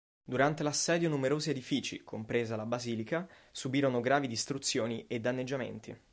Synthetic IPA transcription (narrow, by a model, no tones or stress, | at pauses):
d̪uɾant̪elasːɛːd̪jonumeɾoːzied̪ifiːt͡ʃḭkompɾeːzalabaziːlika | subiːɾonoɡɾaːvid̪ist̪ɾut̪sːjoːnied̪ːanːed͡ʒːamḛnt̪ḭ